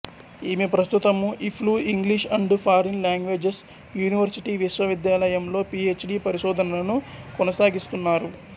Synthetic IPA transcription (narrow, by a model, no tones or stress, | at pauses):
iːmipɾɐst̪ut̪ɐmuʔipʰluːiŋɡliʂɐɳɖpʰaːɾinljaːŋɡʋe̞ːd͡ʒes | juːniʋɐɾsiʈiːʋiʃʋɐʋid̪jaːlɐjɐmlo̞ːpie̞ːt͡ʃɖiːpɐɾiʃɔːd̪ʱɐnɐlɐnukɔnɐsaːɡist̪unːaːɾu